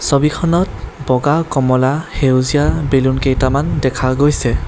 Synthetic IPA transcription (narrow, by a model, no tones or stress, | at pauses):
sobikʰɔnɔt̚bɔɡakɔmɔlahewzijabelunkejtamandɛkʰaɡojsɛ